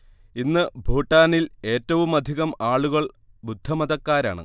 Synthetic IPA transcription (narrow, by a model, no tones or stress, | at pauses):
inːɨbʱuːʈːaːnile̞ːtːɐʋumɐd̪ʱiɣɐmaːɭuɣɐɭ | bud̪ʱːɐmɐðɐkːaːɾaːɳɨ̰